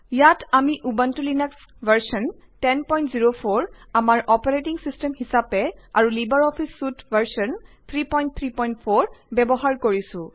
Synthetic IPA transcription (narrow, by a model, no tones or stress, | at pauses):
jatamiʔubantulinɛks | vaɹsɔn | tɛnpɔjntziɹopʰoɹamaɹʔɔpaɹetiŋsistɛmɦisapɛa̰ɹulibaɹɔpʰisːutvaɹsɔnt̪ʰɹipɔjnt̚t̪ʰɹipɔjntpʰoɹbɛbɔɦaɹkoɹisʊ̃